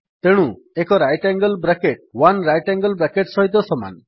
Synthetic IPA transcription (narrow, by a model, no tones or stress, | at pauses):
t̪eɽ̃ũ | ekɔɾajʈɛŋɡɔlbɾakeʈ̚wanɾajʈɛŋɡlbɾakeʈsɔɦit̪̬ɔsɔma̰n